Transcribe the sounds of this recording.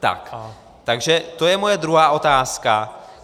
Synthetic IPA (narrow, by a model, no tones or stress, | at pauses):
t̪a̰k | t̪aɡʒɛt̪o̞jɛmojɛd̪ɾuɦaːʔo̞t̪aːska